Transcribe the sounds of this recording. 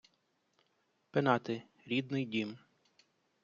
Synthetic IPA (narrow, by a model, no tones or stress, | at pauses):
penɑt̪ɪ | ɾʲid̪nɪjdʲim